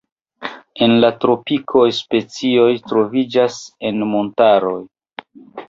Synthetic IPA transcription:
e̞nlatɾo̞pikʰo̞jspe̞t͡sio̞jtɾo̞vid͡ʒase̞nmo̞ntaɾo̞j

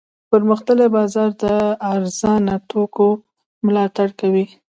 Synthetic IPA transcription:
pəɾməxt̪əlebɑzɑɾd̪əaɾz̥ɑnat̪oko | mlɑt̪aɽkawi

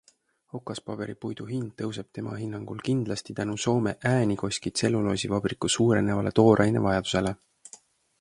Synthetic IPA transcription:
ho̞kˑːɑspɑb̥e̞ɾipujd̪̥uɦind̪̥̚ːɤwseb̥̚t̪e̞mɑ̰ɦinːɑŋɡ̥ulkind̪lɑst̪it̪ænuso̞ːme̞ʔæːnʲiko̞sʲkit̪se̞lːulo̞ːsivɑb̥rikusuːɾe̞nevɑle̞̰t̪o̞ːɾʔɑjne̞̰vɑjɑd̪̥u̥se̞le

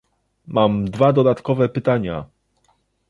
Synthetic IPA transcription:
mamd̪vad̪ɔd̪at̪kɔvɛpɘt̪aɲa̰

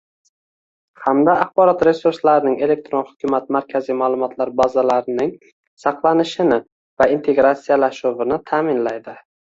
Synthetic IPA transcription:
hamd̪aːχbɒɾɒt̪ɾe̞suɾslaɾɪnɪŋe̞le̞k̚t̪ɾo̞nhʊ̥kʰʲʊmat̪̚maɾkʲʰazijmalˠʊmɒt̪ʰlaɾbazalaɾɪnɪŋ | sɑqlˠanɪʃɪnɪ | vaint̪ʰe̞ɡɾat̪sijalaʃʊvɪnɪt̪ʰaːmɪnlajd̪ɪ

